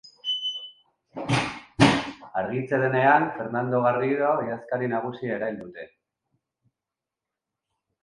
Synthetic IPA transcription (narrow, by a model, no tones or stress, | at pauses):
aɾɣit͡seɾene̞anfe̞ɾnand̪o̞ɣ̞ariɾoiaskaɾinaɣ̞usiaeɾajld̪ut̪e̞